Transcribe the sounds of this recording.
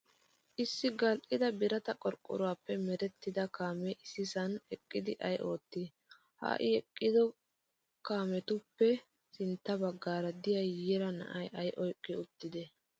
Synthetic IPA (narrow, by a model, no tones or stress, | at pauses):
ʔɪsːɪɡɐlʔɪd̪ɐbɪɾɐt̪ɐkʼɔɾkʼːʊ̰ɾʊwaːpːɛmɛɾɛt̪ːɪd̪ɐkaːmɛʔɪsɪsɐnɛkʼːɪd̪ɪʔɐjʔo̞ːt̪ːɪ | ha̰ːʔɪɛkʼːɪd̪ɔ | kaːmɛt̪ʊpːɛ | sɪnt̪ːɐbɐɡːaːɾɐd̪ɪjajjɛɾɐnɐ̰ʔɐjʔɐjʔɔjkʼːɪʊt̪ːɪd̪ɛ